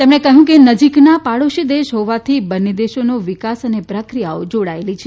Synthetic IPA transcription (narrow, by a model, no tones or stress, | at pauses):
t̪emɽekəɦũkenəd͡ʒiknapaɭoʃid̪eʃɦoʋat̪ʰibənːed̪eʃonoʋɪkasənepɾəkɾijaod͡ʒoɽaelit͡ʃʰe